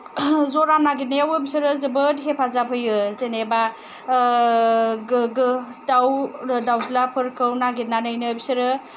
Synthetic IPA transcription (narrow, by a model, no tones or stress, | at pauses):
zoɾanaɡit̚najawɯbisɯɾɯzɯbɯtɦepʰazapʰɯjɯzeneba | ɡɯ | dawdawzilapʰɯɾkʰɯwnaɡit̚nanɯjnɯbisɯɾɯ